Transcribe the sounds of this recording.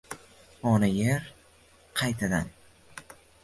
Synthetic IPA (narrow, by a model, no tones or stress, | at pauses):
ɒnajeɾ | qʰɑjt̪ʰad̪an